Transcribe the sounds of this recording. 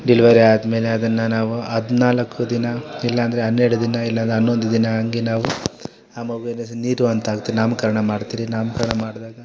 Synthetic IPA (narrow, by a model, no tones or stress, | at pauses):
ɖiliʋɐɾiaːd̪me̞ːle̞ɐd̪ɐnːɐnaːʋuɐd̪inaːlɐkːud̪inɐilːɐɐnd̪ɐɾeɦɐnːeɾɽud̪inɐilːɐnd̪ɦɐnːo̞nd̪ud̪inɐɐŋɡenaːʋu | aːmɐʋeːnesniːɾuɐnt̪aːɡut̪ːiːɾinaːmukɐɾɐɳɐmaːɽt̪iːɾinaːmukɐɾɐɳɐmaːɽd̪aːɡɐ